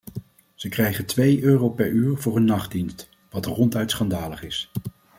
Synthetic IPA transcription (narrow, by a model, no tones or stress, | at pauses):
z̥əkrɛjχəntʋejøːrowpɛɹyːɹvʊːɹənːɑχd̚inst | ʋɑtərɔntœɥtsχɑndaːləχɪs